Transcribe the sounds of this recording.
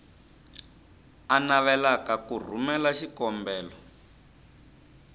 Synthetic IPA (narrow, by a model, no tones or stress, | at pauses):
anaβɛlakakur̤umɛlaʃikɔmbɛːlɔ